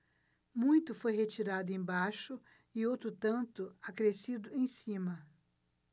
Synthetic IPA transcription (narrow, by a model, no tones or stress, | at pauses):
mũj̃t̪ʊfojhet͡ʃiɾad̪ʊẽj̃baʃʊ | ɪowt̪ɾʊt̪ɐ̃nt̪ʊakɾesid̪ʊẽj̃sĩmɐ